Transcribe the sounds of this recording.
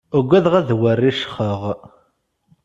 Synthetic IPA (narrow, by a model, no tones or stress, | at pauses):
əɡʷːæðʁæðwərːiʃχəʁ